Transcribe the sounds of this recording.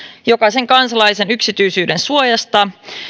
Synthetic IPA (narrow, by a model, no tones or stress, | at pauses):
jo̞kɑse̞ŋkɑnsɑlɑjse̞nyksit̪yjsyːdensuojɑst̪ɑ